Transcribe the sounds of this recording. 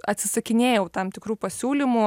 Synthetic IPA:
ɐt̪ʲsʲɪsɐkʲɪnʲeːjɛʊt̪ɐmt̪ʲɪkɾuːpɐsʲuːlʲɪmʊ

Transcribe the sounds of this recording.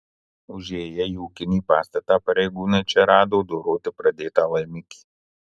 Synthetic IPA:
ʊʒʲeːjɛjuːkʲɪniːpaːst̪ɐt̪apɐɾʲɛjɡuːnɐjt͡ʃʲɛɾaːd̪owd̪oɾoːt̪ʲɪpɾɐd̪eːt̪aʋɐjmʲɪkʲi̥

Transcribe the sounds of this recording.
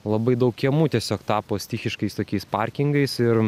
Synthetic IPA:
lˠɐbɐɪd̪ɐʊkkʲiɛmuːt̪ʲiɛsʲoːkt̪ɑːpoːsʲt̪ʲixʲɪʃkɐɪst̪oːkʲɛɪspɐɾʲkʲɪŋɡɐɪsɪɾ

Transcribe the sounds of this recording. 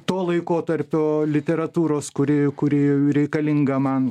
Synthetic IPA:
t̪oːlˠɐɪkoːt̪ɐɾʲpʲoːlʲɪt̪ʲɛɾɐt̪uːɾoːskʊɾʲɪkʊɾʲɪɛɾʲɛɪkɐlʲɪŋɡɐmɐn

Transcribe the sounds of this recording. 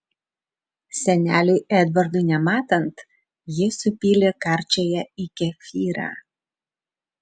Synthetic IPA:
sʲɛnʲæːlʲʊɛd̪ʋɐɾd̪ʊnʲɛmɑːt̪ɐnt̪ | jɪsʊpʲiːlʲekɑɾʲt͡ʃʲejɛikʲɛfʲiːɾɑ̰

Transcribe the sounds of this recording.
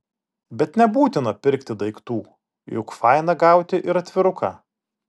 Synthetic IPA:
bʲɛt̪nʲɛbuːt̪ʲɪnɐpʲɪɾʲkt̪ʲɪd̪ɐɪkt̪uː | jʊkfɑɪnɐɡɑˑʊt̪ʲɪʔɪɾɐt̪ʲʋʲɪɾʊkʰɑ

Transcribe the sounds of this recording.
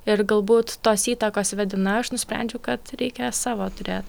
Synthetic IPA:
ɪɾɡɐlˠbuːt̪ːoːsiːt̪ɐkoːsʋʲɛd̪ʲɪnɐɐʃnʊsʲpʲɛ̰nʲd͡ʒʲʊkɐt̪ɾʲɛɪkʲɛsɑːʋoːt̪ʊɾʲeːt̪

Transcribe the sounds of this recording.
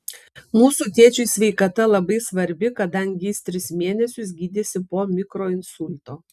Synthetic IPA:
muːsuːt̪ʲeɛt͡ʃʲʊɪsʲʋʲɛɪkɐt̪ɐlˠɐbɐɪsʋɐɾʲbʲɪkɐd̪ɐŋʲɡʲɪst̪ʲɾʲɪsmʲeːnʲɛsʲʊsɡʲiːd̪ʲesʲɪpoːmʲɪkɾoːɪnsʊlʲt̪oː

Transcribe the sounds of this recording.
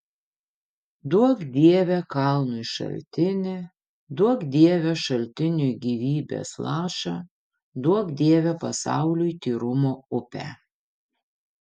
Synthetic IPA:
d̪uɔkd̪ʲiɛʋʲɛkɐlˠnʊjʃɐ̰lʲt̪ʲɪnʲɪ | d̪uɔkd̪ʲiɛʋʲɛʃɐlʲt̪ʲɪnʲʊjɡʲiːʋʲiːbʲḛslˠɑːʃɑ̰ | d̪uɔkd̪ʲiɛʋʲɛpɐsɑ̰ˑʊlʲʊjt̪ʲiːɾʊmoːʊpʲæ̰

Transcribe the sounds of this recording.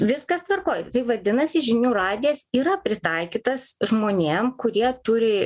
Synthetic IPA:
ʋʲɪskɐst̪ʋɐrkoːjt̪ɐɪʋɐd̪ʲɪnɐsʲɪʒʲɪnʲuːɾɑːd̪ʲɪɛsiːɾɐpʲɾʲɪt̪ɐɪkʲiːt̪ɐsʒmoːnʲeːmkʊɾʲiɛt̪ʊɾʲɪ

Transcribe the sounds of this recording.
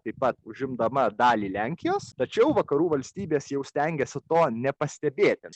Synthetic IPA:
t̪ɐɪpɐt̪ʊʒʲɪmd̪ɐmɐd̪ɑːlʲiːlʲæŋʲkʲɪjoːst̪ɐt͡ʃʲɛʊʋɐkɐɾuːʋɐlʲsʲt̪ʲiːbʲeːsjɛʊsʲt̪ʲɛŋʲɡʲɛsʲɪt̪oːnʲɛpɐsʲt̪ʲɛbʲeːt̪ʲɪ

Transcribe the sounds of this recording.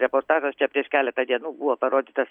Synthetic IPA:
ɾʲɛpoːɾt̪ɑːʒost͡ʃʲɛpʲɾʲiɛʃkʲæːlʲɛt̪ɐd̪ʲiɛnuːbuʋɔːpɐɾoːd̪ʲiːt̪ɐs

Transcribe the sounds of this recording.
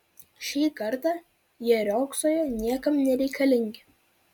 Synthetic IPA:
ʃʲiːkɐɾt̪ɐ | jɛɾʲɔːksoːjonʲiɛkɐmnʲɛɾʲɛɪkʰɐlʲɪŋʲɡʲɪ

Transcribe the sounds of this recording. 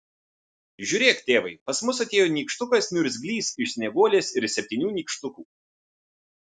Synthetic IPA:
ʒʲʊːɾʲeːkt̪ʲeːʋɐɪpɐsmʊsɐt̪ʲeːjoːnʲiːkʃt̪ʊkɐsmʲʊɾʲzʲɡʲlʲiːsɪʃsʲnʲɛɡoːlʲeːsɪɾsʲɛpʲt̪ʲiːnʲuːnʲiːkʃt̪ʊkuː

